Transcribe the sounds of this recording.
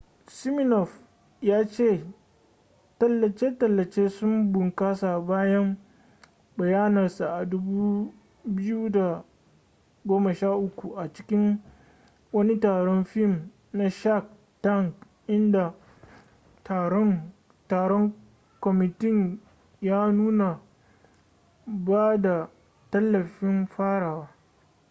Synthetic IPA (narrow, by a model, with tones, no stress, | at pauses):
sɪ˦mɪ˦nɔ˨ɸ | jaː˦t͡ʃeː˦˨ | tɐ˦lːɐ˨t͡ʃeː˦tɐ˨lːɐ˨t͡ʃeː˦sʊ˦mbʊ˨ŋkaː˦sa˨baː˦jɐ˦m | bɐ˨jaː˦nɐ˨rsa˨ʔa˨dʊ˦buː˦ | bɪ˦ju˦da˨ | ɡʷoː˦mɐ˨ʃaː˦ʔʊ˦kʷu˨ʔa˨t͡ʃɪ̥˦kʲɪ˦ŋ | wɐ˦ni˦taː˨ɽɔ˦nɸɪ˦˨m | na˦ʃa˦˨k | ta˦˨ŋk | ʔɪ˦nda˨ | tː | taː˨ɽɔ˦ŋ | kɔ˨mɪ˨tɪ˦ɲ | jaː˦nuː˦na˨ | baː˦da˨ | tɐ˦lːɐ˨ɸɪ˦mɸaː˦ɽaː˨waː˦